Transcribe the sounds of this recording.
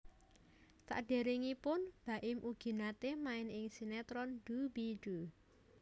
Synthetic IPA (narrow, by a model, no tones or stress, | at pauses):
sa̰ʔɖ̥e̤ɾiŋipʊnb̥a̤ʔɪmʔuɡ̥i̤nat̪emaɪnɪŋsinɛt̪ɾɔnd̥ubiɖ̥u